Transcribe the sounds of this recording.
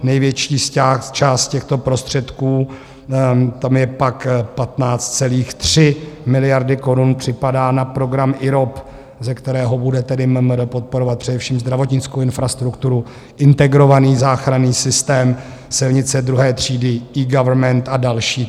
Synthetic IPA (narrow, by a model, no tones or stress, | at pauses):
nɛjvjɛt͡ʃiːsat͡ʃaːst̪̚cɛxt̪o̞pɾo̞st̪r̝̥ɛt̪kuː | t̪amjɛpakpat̪naːt͡st̪t͡sɛliːxt̪r̥ɪmɪlɪjaɾdɪko̞ɾunpr̝̥ɪpadaːnapɾo̞ɡɾamʔɪɾop | zɛkt̪ɛɾɛːɦobudɛt̪ɛdɪmmdpot̪̚po̞ɾo̞vat̪̚pr̥ɛdɛfʃiːmzd̪ɾavo̞t̪ɲɪt͡skowɪnfɾast̪ɾukt̪uɾu | ʔɪnt̪ɛɡɾo̞vaniːzaːxɾaniːsɪst̪ɛːm | sɪlɲɪt͡sɛd̪ɾuɦɛːt̪r̝̥iːdɪʔiːɡavɾmɛnt̪adalʃiː